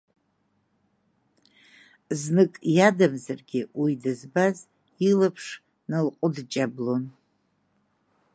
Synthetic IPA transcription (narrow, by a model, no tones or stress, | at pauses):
znɨkʼjadamzarɡʲɪwidɨzbaz | ilapʰʂ | nɨlqʷʼʊdt͡ʃʼablon